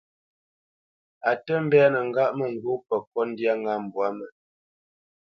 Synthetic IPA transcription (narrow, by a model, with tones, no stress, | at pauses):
a˨tə˦m̩˦bɛ˦a˦nə˨ŋ̩˨ɡa˦ʔmə˨ŋ̩˨ɡo˦pə˨kɔ˦n˦dja˦ŋa˦m̩˨bwa˨˦mə˨